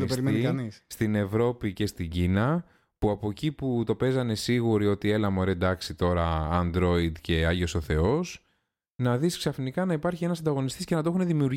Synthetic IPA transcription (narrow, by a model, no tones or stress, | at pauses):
ispeɾieniɐnisst̪ine̞vɾo̞pice̞st̪iɲɟinɐ | puɐpo̞ciput̪o̞pe̞zɐne̞siɣuɾio̞t̪ie̞lɐmoɾed̪ɐksit̪o̞ɾɐɐnd̪ɾo̞id̪ce̞ɐʝoso̞θe̞o̞s | nɐðisksɐfnikɐnɐipɐɾçie̞nɐsɐnd̪ɐɣo̞nist̪iscenɐt̪o̞xune̞ðimiuɾ